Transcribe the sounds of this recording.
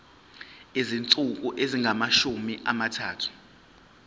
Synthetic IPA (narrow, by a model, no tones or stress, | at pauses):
ezint͡sʼuk̬ʼuʔeziŋʱamaʃumiʔamatʰaːtʰu̥